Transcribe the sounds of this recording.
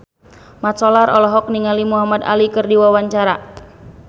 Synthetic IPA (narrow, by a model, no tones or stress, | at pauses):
mat̪sɔlaɾʔɔlɔɦɔk̚niŋalimuɦamad̪a̰likɨrdiwawaɲt͡ʃaɾa